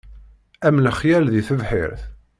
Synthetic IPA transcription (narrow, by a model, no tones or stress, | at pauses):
æmːləχjælðiθəvħɪ̰ɾθ